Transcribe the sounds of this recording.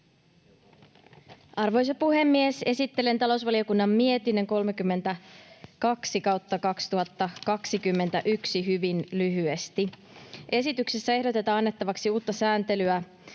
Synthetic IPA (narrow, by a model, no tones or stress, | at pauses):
ɑrʋo̞js̬ɑpuɦe̞mːiese̞sit̪ːele̞nt̪ɑlo̞wsʋɑlio̞kunːɑmmie̞t̪inːe̞ŋko̞lmekymːe̞nt̪ækɑksikɑwt̪ːɑkɑkst̪uɦɑt̪ːɑkɑksikymːe̞nt̪æʔyksiɦyʋinlyɦye̞st̪i | ʔe̞sit̪ykse̞sːæe̞ɦdo̞t̪e̞t̪ɑːɑnːe̞t̪ːɑʋɑksiuːt̪ːɑsæːnt̪e̞lyæ